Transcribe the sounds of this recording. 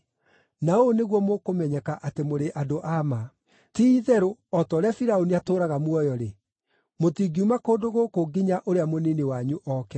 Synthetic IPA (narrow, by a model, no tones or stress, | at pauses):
naoneɣwɔmokomɛɲɛkaʔatemoɾeʔadoʔama | tiːðɛɾoɔtɔːɾeafiɾaoniatoːɾaɣamwɔjɔɾe | motiɡiumakoːdoɣokoɡiɲaʔoɾeamoninewaɲuʔɔːkɛ